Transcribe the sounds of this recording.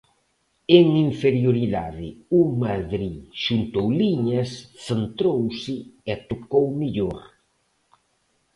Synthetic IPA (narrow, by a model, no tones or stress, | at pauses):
eŋiɱfeɾjoɾiðaðɪumaðɾiʃunt̪owliɲasθent̪ɾowsɪɛt̪okowmiʎoɾ